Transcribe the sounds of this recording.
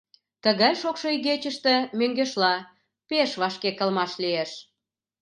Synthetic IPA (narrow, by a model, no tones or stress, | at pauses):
t̪əɣɑjʃokʃojɣet͡ɕəʃt̪ĕmøŋɡeʃlɑ | peʃβɑʃkekə̆lmɑʃlieʃ